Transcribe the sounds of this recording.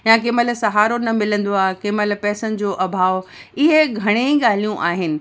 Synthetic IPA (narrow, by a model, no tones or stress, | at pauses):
jãk̬ɪməlsɐɦaːɾonɐmɪlə̃nd̪oaːɦekɪməlpɛːsənɪ̆d͡ʑoːʔɐbʱaːʋɪɦeɡʱɐɽ̃eiɠaːl̤ijũʔaːɦɪnɪ̆